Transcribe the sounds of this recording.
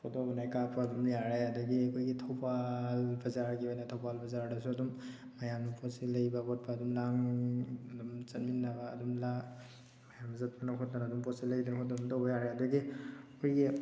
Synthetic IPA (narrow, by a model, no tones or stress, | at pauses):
pʰɔdɔbnajkapʰaɐdumjaɾajadɐɡiɐkʰojɡitʰawpalbɐzaɾɡibajnatʰawpalbɐzaɾdɐsuɐdumː | ajamnupʰɔsilɐjbaɡɔt̚paɐdumlaŋ | dumt͡ʃɐt̚minːaba̰ːdumla | majamzɐt̚panakʰɔt̚anadumpɔsilɐjdankʰɔdɔtɔwbajaɾajadɐɡiɔjɡi